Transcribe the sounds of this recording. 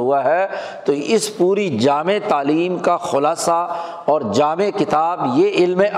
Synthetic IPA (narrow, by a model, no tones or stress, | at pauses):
ɦuaɦɛt̪oɪspuːɾid͡ʒaːmet̪aːliːmkaxʊlaːsa | ɔːɾd͡ʒaːmekɪt̪aːbjeʔɪlmẽʔ